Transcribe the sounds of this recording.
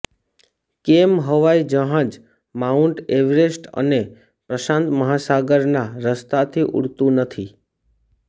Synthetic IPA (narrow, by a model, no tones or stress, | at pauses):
kemɦəʋajd͡ʒəɦãd͡ʒ | mauɳʈeʋɾesʈə̰ne | pɾəʃãnt̪məɦasaɡəɾnaɾəst̪at̪ʰiʔṵɽt̪ũnət̪ʰi